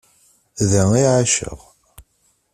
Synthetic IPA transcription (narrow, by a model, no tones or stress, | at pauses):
ðæiʕaʃə̰ʁ